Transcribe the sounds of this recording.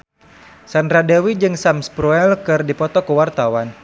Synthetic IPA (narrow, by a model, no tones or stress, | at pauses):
sanɾadɛwid͡ʒɨŋsamspɾuɛlkɨrdipɔt̪ɔkəwart̪awan